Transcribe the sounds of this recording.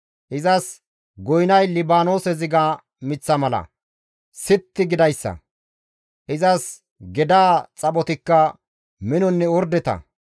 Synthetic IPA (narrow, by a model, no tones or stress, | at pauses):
ʔɪzɐs | ɡɔjnɐjlɪbaːno̞ːsɛzɪɡa | mɪt͡sːɐmɐlɐ̰ | sɪt̪ːɪɡɪd̪ɐjsːɐ̰ | ʔɪzɐs | ɡɛd̪aːt͡sʼɐɓɔt̪ɪkːɐ | mɪnɔnːɛɔɾd̪ɛt̪ɐ̰